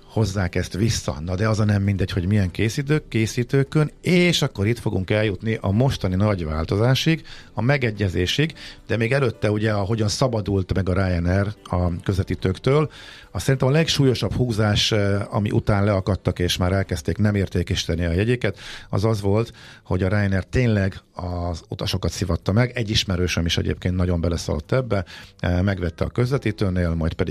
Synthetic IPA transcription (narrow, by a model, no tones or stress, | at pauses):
ho̞zːaːkɛst̪ʋisːɒ̰nɒd̪ɛɒzɒnɛmːind̪ɛcho̞ɟmijɛŋkeːsiːt̪øːkːeːsiːt̪øːkøneːʃɒkːo̞ɾit̪fo̞ɡuŋkɛljut̪niʔɒmo̞ʃt̪ɒninɒɟʋa̰ːlt̪o̞zaːʃiɡɒmɛɡɛɟːɛzeːʃiɡd̪̥ɛmeːɡɛløt̪ːɛuɟɛɒɦo̞ɟɒnsɒbɒd̪ult̪mɛɡɒɾajɛnɛrɒkøzɛt̪it̪økt̪øːl | ɒsɛɾint̪ɛmɒlɛkʃuːjo̞ʃɒbhuːzaːʃɒ̰mḭʔṵt̪aːnlɛɒkɒt̪ːɒkeːʃmaːɾɛlkɛst̪eːknɛmeːrt̪eːkɛʃi̥t̪ɛniɒjɛɟikɛt̪ɒ̰zɒzʋo̞lt̪ho̞ɟɒɾaːjɛnɛrt̪eːnlɛɡɒzut̪ɒʃo̞kɒt̪sivɒt̪ːɒmɛɡɛɟːiʃmɛɾøːʃɛmiʃɛ̰ɟḛːp̚keːnt̪nɒɟo̞mbɛlɛsɒ̰lo̰t̪ːɛbːɛmɛɡʋɛt̪ːɛɒkø̞zlɛt̪iːt̪øːneːlmɒjt̪pɛd̪i